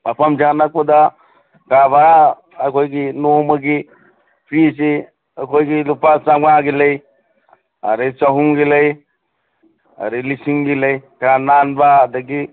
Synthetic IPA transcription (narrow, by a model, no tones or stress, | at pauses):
apʰamd͡ʒanak̚bad̪a | kabaɾaː | kʰojɡinomaɡi | pʰis̬i | akʰojɡilupasamŋaɡilej | a̰ɾet͡ʃaɦumɡilej | a̰ɾilisiŋɡilejkɾananbad̪aɡi